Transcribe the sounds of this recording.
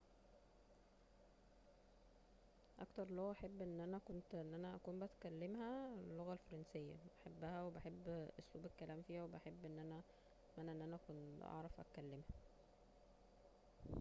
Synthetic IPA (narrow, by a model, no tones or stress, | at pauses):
ʔæ̰kt̪ɑɾˤloɣæʔæħebːʔenːʔænækont̪enːʔænæʔækuːmbæt̪kælːemhæelːoɣælfɑɾˤɑnsejːæ̰bæħebːæhæwebæħebːʔosluːbekːælæːmfiːhæwebæħebːʔenːʔænæ | mænːæʔenːʔænæʔækonʔɑ̰ʕɾˤɑfʔæ̰kælːemhæ